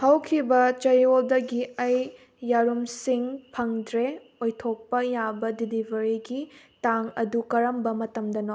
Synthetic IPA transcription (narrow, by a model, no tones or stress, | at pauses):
hɐwkʰibɐt͡ʃɐjoldɐɡiɐjː | aɾumsiŋpʰɐŋdɾe | ojtʰok̚pɐjabɐdilibʱɐɾiɡitaŋɐ̰dukɐɾɐmbɐmɐtɐmdɐno